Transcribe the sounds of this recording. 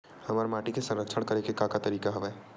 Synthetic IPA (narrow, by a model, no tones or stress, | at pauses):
hɐmaːɾmaːʈikesɐ̃nɾəkʃəɽ̃kɐɾẽkekaːkat̪ɐɾiːkaɦɐʋaɛ